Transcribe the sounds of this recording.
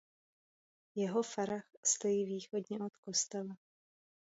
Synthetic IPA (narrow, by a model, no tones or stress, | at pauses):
jɛɦofaɾaxst̪o̞jiːviːxo̞dɲɛʔot̪kost̪ɛla